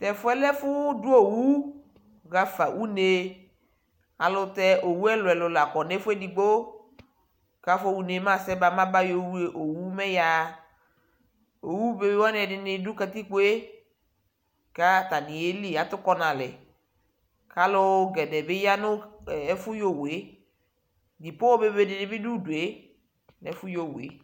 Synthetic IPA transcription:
tɛ˨fʊ˦ɛ˦lɛ˦fʊ˦dʊ˦o˦wu˦ | ɣa˨fa˨ʔu˦ne˦ | a˨lʊ˧tɛ˦ʔo˨wu˦ɛ˦lʊ˨ɛ˨lʊ˨la˨kɔ˨nɛ˦fʊ˦ɛ˦di˨ɡ͡bo˦ | ka˦fo˦wu˦ne˨˦ma˦˨sɛ˦ba˨mã˦ba˦jo˨wu˦e˨ʔo˨wu˦mɛ˦ja˨ | o˨wu˦be˦bwa˦n˦ɛ˨dɪ˨nɪ˦dʊ˦ka˨ti˦ku˦e˦ | ka˦ta˨nɪ˨e˦li˦˨a˨˦tʊ˦kɔ˦na˨lɛ˨ | ka˦lʊ˦ɡɛ˨dɛ˨bɪ˦ja˦nʊ˦˨˦fʊ˦jo˦˨we˨˦ | di˨po˦ɔ˦be˦be˦dɪ˨nɪ˦bɪ˦du˦du˨e˨˦ | nɛ˨˦fʊ˦jo˨wḛ˨˦

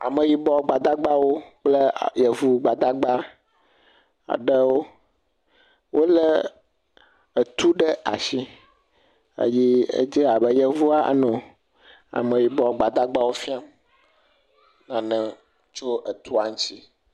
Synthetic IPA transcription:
a̰˨mə̃˨ji˨bɔ˨ɡ͡ba˨d̪a˦ɡ͡ba˦wo˦k͡plə˦˨jə˨vu˦ɡ͡ba˨d̪a˦ɡ͡ba˦ | a̰˨ɖə˦wo˦ | wʔo˦lə˦ | ə˨t̪u˦ɖə˦a̰˨ʃi˦ | ə̰˨ji˦ə̰˦d͡ʒi˦a˨bə˦jə˦vu˦a˦ʔə̰˦nɔ̃˨ | a̰˨mə̃˨ji˨bɔ˨ɡ͡ba˨d̪a˦ɡ͡ba˦wo˦fi˦a˦m | nã˨nə̃˨ | t͡ʃo˦ʔə˨t̪u˦a˨ŋ̩̃˦t͡ɕi˦

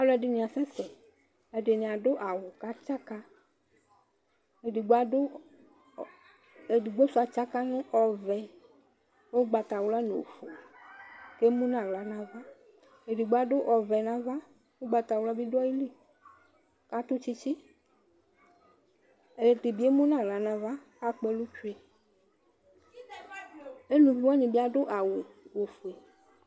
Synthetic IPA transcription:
a˨lɔ˨˦ɛ˨ɖe˨nĩ˨a˨sɛ̃˦sɛ˨ | e˨ɖe˨nĩ˨a˨ɖo˦ʔa˨wo˨ka˦t͡ʃa˦ka˦ | e˨di˨ɡ͡ba˦ɖo˦ | e˨di˨ɡ͡bo˦su˨a˨t͡ʃa˦ka˦nũ˦ʔɔ˨vɛ˨ | wo˦ɡ͡ba˨t̪a˨wu˦la˦no̰˨fo˨ke˦mũ˦ñ˦a˨la˨nã˦va˦ | e˨ɖi˨ɡ͡ba˨ɖo˦ʔɔ˨vɛ˨nã˦va˦ | wo˦ɡ͡ba˨t̪a˨wla˦bi˦dɔ˦ji˦li˦ | ka˦t̪u˦t͡ɕi˦t͡ɕi˦ | e˨di˨bi˦e˦mũ˦nã˨ɣla˨nã˨va˦ | a˦k͡pe˨lu˦t͡ʃu˦e˨ | e˦nũ˨vi˦wa˦ɲĩ˨bi˦a˦ɖo˦ʔa˨wo˨wo˨fu˨e˨

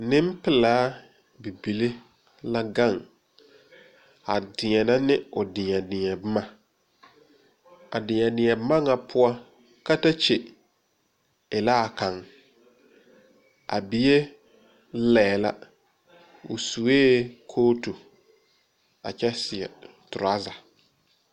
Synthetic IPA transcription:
nɪ˦m˦pɪ˨laː˨˦ | bi˨bi˨le˦ | la˦ɡa˦˨ŋ | a˨dɪ̃˨ɲɛ˨na˦nɪ˦ʊ˨dɪ˨ɲɛ˨nɪ˨ɲɛ˨bɪ˦ma˦ | a̰˨dɪ˨ɲɛ˨nɪ̃˨ɲɛ˨bɪ˦ma˦ŋa˨pʰʊ˦a˦ | ka˦ta˦t͡ʃe˨ | ɪ˨la˦˨ka˨ŋ | a̰˨bɪ˨je˦ | lɛː˨la̰˦ | ʊ̰˨su˨eː˦kʰoː˦tu˨ | a̰˨t͡ʃɛ˦sɪ˨ɛ̰˨ | tʊ˨ɾa˦za˨

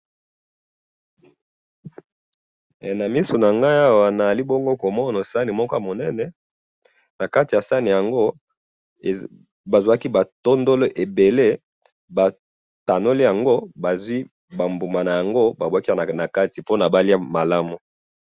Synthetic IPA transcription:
na˨mi˦so˨na˨ŋɡa˦a˦wa˨na˨a˨li˦bo˦ŋɡo˦ko˨mɔ˦no˨sa˦ni˨mɔ˦kɔ˦a˨mo˨nɛ˦nɛ˨ | na˨ka˦ti˨ja˨sa˦ni˨ja˨ŋɡo˦˨ | ba˨zwa˦ki˦ba˨to˦ndo˦lo˦ʔe˨be˨le˦ | ba˨ | ta˨no˦li˦ja˨ŋɡo˦ba˨zwi˦ | ba˨mbu˨ma˨na˨ja˨ŋɡo˦ba˨bwa˦ki˦˨na˨ka˦ti˨po˦na˨ba˦li˦a˦ma˨la˦mu˨

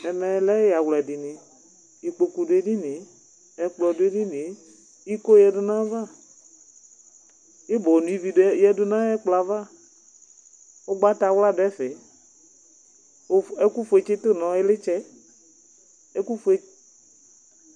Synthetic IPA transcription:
ɛ˨mɛ˨˦lɛ˦ja˨wlɛ˨dɪ˨nɪ̃˨ | i˨k͡po˨ku˨de˦di˦nɪ˨˦ | ɛ˨k͡plɔ˨dʊ˦e˦di˦nɪ˨˦ | i˦ko˦jɛ˨dʊ˦nã˦va˦˨ | ɪ˦bɔ˨nũ˨i˦vi˨djɛ˦dʊ˦nã˦ɛ˦k͡pla˨va˦˨ | o˦ɡ͡ba˦ta˨˦wla˦˨dɛ˦fɪ˨˦ | ɛ˦ku˦fu˨e˨t͡ʃɪ˦tʊ˦nɔ̃˨˦ɪ˦lɪ˦t͡ʃɛ˦ | ɛ˦ku˦fu˨˦e˦

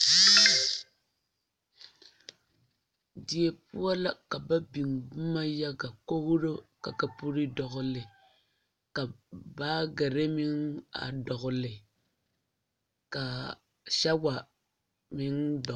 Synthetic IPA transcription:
di˨e˨pu˦a˦la˦ka˨ba˦bi˨ŋbu˦ma˦ja˦ɡa˨ko˦ɣʊ˦ɾo˦ka̰˨ka˨pu˦ɾi˦dɔ˨ɣʊ˨lɪ˨ | ka˨baː˦ɡa˨ɾe˦mi˦ŋa̰˨dɔ˨ɣʊ˨lɪ˨ | ka˨ | ʃa˦wa˨ | mɪ˦ŋdɔ˨

